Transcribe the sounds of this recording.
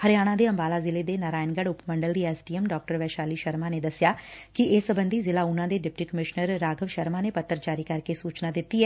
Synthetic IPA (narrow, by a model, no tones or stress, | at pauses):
həɾɪjaːɽ̃ãːd̪eːəmbaːlaːzɪleːd̪eːnaːɾaːɪnɡəɽʊpməɳɖəld̪iːɛːsʈiːɛmɖɔːk̚ʈəɾʋɛːʃaːliːʃəɾmaːneːd̪əsɪjaːkɪʔɪsəbənd̪iːzɪlaːʊnãːd̪eːɖɪp̚ʈiːkəmɪʃnəɾːaːɡʱəʋʃəɾmaːneːpət̪ːəɾt͡ʃaːɾiːkəɾkesuːt͡ʃnaːd̪ɪt̪ːiːɛː